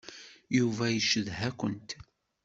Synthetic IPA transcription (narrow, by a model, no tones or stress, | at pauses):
juvæjəʃəðɦækʷənt̪